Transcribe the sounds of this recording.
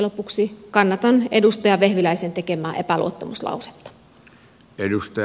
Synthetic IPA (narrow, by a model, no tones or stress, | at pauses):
lopuksikɑnːɑt̪ɑnḛdust̪ɑjɑʋehʋilæisent̪ekemæːʔepælṵot̪ːɑmuslɑ̰use̥t̪ːɑ̥ | edust̪ɑ